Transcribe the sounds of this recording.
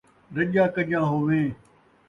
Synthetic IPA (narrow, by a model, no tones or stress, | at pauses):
ɾəʄãːkəɗjãːɦoːʋẽː